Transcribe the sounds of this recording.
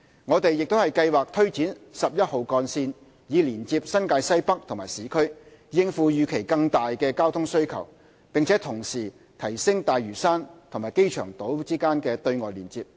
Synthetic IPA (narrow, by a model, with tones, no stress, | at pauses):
ŋɔː˨˧t̪e˨jːɪ˨k̚t̪o˥hɐ˨˩jkɐ˧jwaː˨k̚t̪ʰɵ˥ɥt͡siː˨˥nsɐ˨p̚jɐ˥t̚ho˨wkɔː˧nsiː˧n | jiː˨˧liː˨˩nt͡siː˧p̚sɐ˥nkaː˧jsɐ˥jpɐ˥k̚t̪ʰʊ˨˩ŋmaː˨˩jsiː˨˥kʰɵ˥ɥ | jɪ˧ŋfuː˨˧jyː˨˧kʰe˨˩jkɐ˧ŋt̪aː˨jkɛː˧kaː˥wt̪ʰʊ˥ŋsɵ˥ɥkʰɐ̰˨˩w | pɪ˨ŋt͡sʰɛː˨˥t̪ʰʊ˨˩ŋsiː˨˩ | t̪ʰɐ˨˩jsɪ˥ŋt̪aː˨jɥyː˨˩saː˥nt̪ʰʊ˨ŋmaː˨˩jke˥jt͡ʃʰœ̰ː˨˩ŋt̪o˨˥wt͡siː˥kaː˥nkɛː˧t̪ɵ˧ɥŋɔː˨jliː˨˩nt͡siː˧p̚